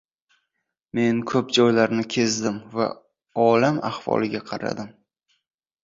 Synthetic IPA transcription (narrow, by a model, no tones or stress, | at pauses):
me̞nkʰɵpd͡ʒɒjlaɾnɪkʲʰe̞zd̪ɪmva̰ | ɒlamahvɒ̰lˠɪɡʲaqʰɑɾa̰d̪ɪm